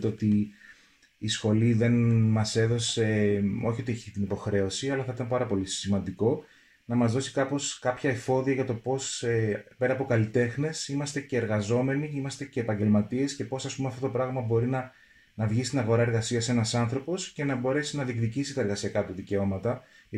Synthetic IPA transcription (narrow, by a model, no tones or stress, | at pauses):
t̪eot̪i | sxo̞liðe̞nmɐse̞ðo̞se̞o̞çio̞t̪ieçit̪inipo̞xɾe̞o̞siɐlɐθɐit̪ɐmpɐɾɐpo̞lisimɐnd̪iko̞ | nɐmɐzðo̞si̥kɐpo̞skɐpçɐefo̞ðiɐʝɐt̪o̞po̞sepe̞ɾɐpo̞kɐlit̪e̞xne̞simɐst̪e̞ce̞ːɾɣɐzo̞me̞niimɐst̪e̞ce̞ːpɐɲɟe̞lmɐt̪ie̞sce̞po̞sɐspumeɐft̪o̞t̪o̞pɾɐɣmɐbo̞ɾinɐ | nɐvʝist̪inɐɣo̞ɾɐe̞ɾɣɐsiɐsenɐsɐnθɾo̞po̞sce̞nɐbo̞ɾe̞sinɐðikðicisit̪ɐe̞ɾɣɐsiɐkɐt̪uðice̞o̞mɐt̪ɐ